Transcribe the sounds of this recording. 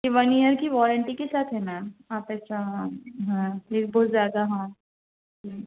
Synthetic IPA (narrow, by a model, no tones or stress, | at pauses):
jeʋɐniəɾkiʋɔːɾəɳʈikesaːt̪ʰɦɛmɛ̃ːaːpɛʃʰaɦɦãleːbɔːt̪zjaːd̪aɦãː | d͡ʒiː